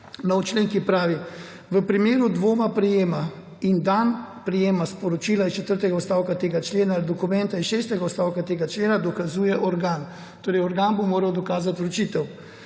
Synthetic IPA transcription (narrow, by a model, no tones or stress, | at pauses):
nɔwt͡ʃleːŋkipɾaːʋi | ʋəpɾimeːɾud̪ʋoːmapɾɛjeːma | ind̪anpɾɛjeːmaspɔɾɔt͡ʃiːlaist͡ʃɛt̪əɾt̪ɛɡaɔst̪aːwkat̪eːɡat͡ʃleːnaːlid̪ɔkumɛnt̪ainʃeːst̪ɛɡaɔst̪aːwkat̪eːɡat͡ʃleːnad̪ɔkazuːjɛʔɔɾɡaːn | t̪oːɾɛjɔɾɡaːnbomoːɾɐwd̪ɔkaːzat̪ɾɔt͡ʃiːt̪ɛw